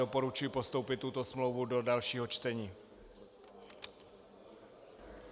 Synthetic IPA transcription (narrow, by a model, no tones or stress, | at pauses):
opo̞ɾut͡ʃujipo̞st̪o̞wpɪt̪ːut̪o̞smlowvudo̞dalʃiːɦo̞t͡ʃt̪ɛɲiː